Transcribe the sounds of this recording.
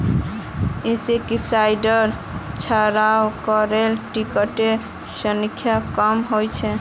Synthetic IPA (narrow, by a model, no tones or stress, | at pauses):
ĩsekisajɖəɾt͡ʃʰəɾawkɔɾelʈikəʈe | sənikʰːjakəmɦojt͡ʃʰɛ